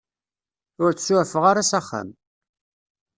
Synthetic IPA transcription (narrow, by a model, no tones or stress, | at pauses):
ʊɾt͡sːsufəʁaɾasaχːa̰m